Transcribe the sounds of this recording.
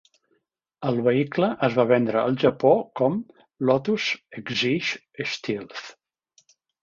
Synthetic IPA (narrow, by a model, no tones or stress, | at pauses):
əlˠβəikləʔəzβaβɛnd̪ɾəːlˠʒəpokɔm | lɔt̪usəɡziʃ | əst̪ilˠθ